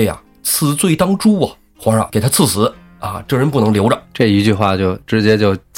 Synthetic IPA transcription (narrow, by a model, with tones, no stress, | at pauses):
ɪɐ̰˩ | t͡sʰɹ̩˥˧t͡swe˥˩˧ɪt̪ɑ˥ŋʈ͡ʂu˥ɐ̰˨ | xwɑ˧˥ɐ̰˧˩ke˨˩ɪt̪ʰa˥t͡sʰɹ̩˥˩sɹ̩˧˥ | ɐ̰˥˧˩ʈ͡ʂɤ˥˩ɻə˧˥npu˥˩nɤ˧˥ŋljo˧˥ʊʈ͡ʂə˧˩ʈ͡ʂɤ˥˩i˧˥t͡ɕy˥˧xwa˥˩t͡ɕjo˥˩ʊʈ͡ʂɻ̩˧˥t͡ɕjɛ˥t͡ɕjo˥˩ʊ